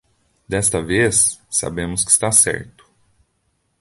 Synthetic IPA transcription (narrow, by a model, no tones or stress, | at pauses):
d̪ɛst̪ɐvesːa̰bẽmʊskɪ̥i̥st̪asɛ̰ɾt̪ʊ̥